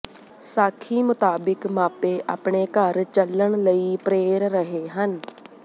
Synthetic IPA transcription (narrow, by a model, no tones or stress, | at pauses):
saːkʰiːmʊt̪aːbɪkmaːpeːʔa̰ːpɳeːkəɾt͡ʃəlːəɳləiːpɾeːɾɾəɦeːɦən